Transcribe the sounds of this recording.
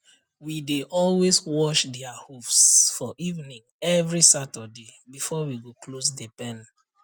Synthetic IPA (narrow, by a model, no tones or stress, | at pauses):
wideʔɔlweswɔʃdɛahufsfɔʔivnĩŋ | ɛvɹisatɔdebifɔwiɡoklosdepɛ̃n